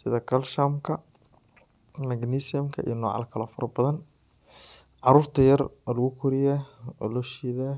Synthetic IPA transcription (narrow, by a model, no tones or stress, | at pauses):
sɪðɐkʰɐlʃamkʰɐ | mɐɡnisɪjɐmkʰɐʔḭjnɔːʕɑ̰lɐkʰɐlɐfɔɾbɐðɐn | ʕɑɾuːɾt̪ʰɐjɐrlɐɣʊkʰʊɾɪjaɔlɔʃiːðaː